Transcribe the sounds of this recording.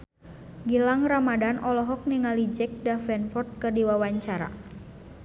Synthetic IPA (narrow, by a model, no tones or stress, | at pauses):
ɡilaŋramadanʔɔlɔɦɔk̚niŋalid͡ʒɛk̚dafɛnfɔrt̪̚kərdiwawaɲt͡ʃaɾa̰